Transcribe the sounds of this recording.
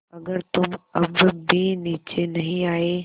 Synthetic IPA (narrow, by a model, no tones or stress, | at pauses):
ɐɡəɾt̪ʊmɐbbiniːt͡ʃenɐɦĩaːeː